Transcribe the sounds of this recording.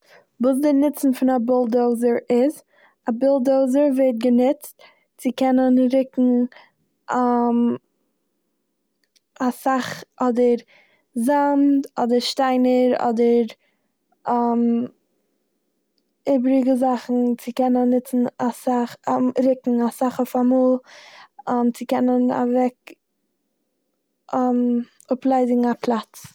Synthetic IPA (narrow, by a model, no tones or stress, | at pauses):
vuːs̬dɪnɪt͡sn̩fɪnabɪlˠdoʊzəɾɪz | abɪlˠdoʊzəɾvɛt̚ɡənɪt͡st | t͡sɪkɛnənɾɪkŋ̩ | am | asaχɔdəɾ | zantɔ̰dəɾʃtaɪnəɾɔ̰dəɾ | am | ɪbɾɪɡəzaχn̩t͡sɪkɛnənːɪt͡sn̩asaχɾɪkŋ̩asaχɔfamuːlˠ | amt͡sɪkɛnəna̰vɛk | am | ʊplˠaɪzɪɡŋ̩aplˠat͡s